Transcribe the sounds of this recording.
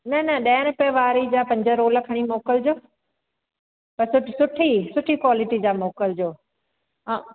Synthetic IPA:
nɐnɐɗɐːəñ̆peʋaːɾid͡ʑaːpɐ̃ɲd͡ʑəɾoːləkʰɐɽ̃imoːkəld͡ʑoː | pɐɾsʊʈsʊʈʰisʊʈʰikwaːlɪʈid͡ʑaːmoːkəld͡ʑõː

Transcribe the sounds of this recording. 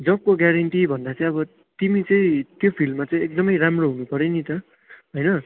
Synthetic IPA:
d͡zʌb̚koɡjaɾʌɳʈibʱʌnd̪at͡sãĩʌbʌ | t̪imit͡sʌĩt̪jopʰilmːat͡saĩek̚d̪ʌmʌjɾamroɦunupʌɾenit̪ʌ | ɦojnʌ

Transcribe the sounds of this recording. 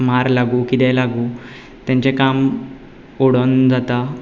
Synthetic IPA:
maɾlaɡuːkit̪ɛlaɡuː | t̪jãɲt͡ɕekam | oɽond͡zat̪a

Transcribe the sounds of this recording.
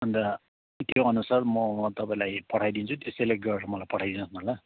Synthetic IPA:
ʌnd̪ʌ | t̪joʌnusarmʌt̪ʌpaĩlajpʌʈʰajd̪int͡sʰut̪esejleɡʌrɾʌmʌlajpʌʈʰajd̪inʌsnʌɦla

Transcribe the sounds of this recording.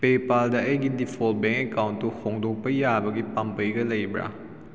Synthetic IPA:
pepaldaʔəjɡidipʰɔlt̚bɛ̃ŋkɛkawntːuhɔŋdɔŋpəjjabɐɡipampəjɡɐləjbɾa̰

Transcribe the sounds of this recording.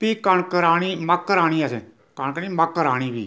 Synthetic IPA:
piːkəɳkəɾaːɽ̃iːməkːəɾaːɽ̃iːəsẽ | kəɳkəniːməkːəɾaːɽ̃iːbḭː

